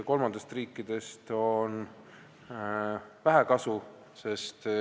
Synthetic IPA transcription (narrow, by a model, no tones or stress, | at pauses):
ko̞lmɑnd̪est̪riːkːˑid̪̥e̞st̪on | væɦækɑsu | se̞st̪